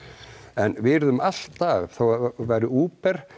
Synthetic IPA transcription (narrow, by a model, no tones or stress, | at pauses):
ɛnvɪɾðʏmal̥t̪aɣθowavaːjɾɪuːpɛɾ̥